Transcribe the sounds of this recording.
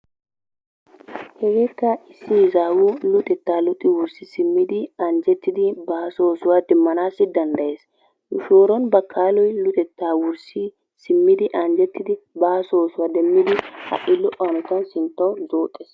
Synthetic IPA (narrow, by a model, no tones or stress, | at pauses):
hɛɡɛkːɐɪsːɪzaːwulʊt̪ʼɛt̪ːaːlʊt̪ʼːɪwʊɾsɪsɪmːɪd̪ɪɐnd͡ʒɛt̪ːɪd̪ɪbaːsoːsʊwad̪ɛmːɐnaːsɪd̪ɐnd̪ɐʔeːs | nʊʃoːɾɔnbɐkʰːaːlɔjlʊt̪ʼɛt̪ːaːwʊɾsɪ | sɪmːɪd̪ɪʔɐnd͡ʒɛt̪ːɪd̪ɪbaːsoːsʊwad̪ɛmːɪd̪ɪhɐ̰ʔɪlʊʔanʊt̪ːɐnsɪnt̪ːɐwzoːt̪ʼːɛs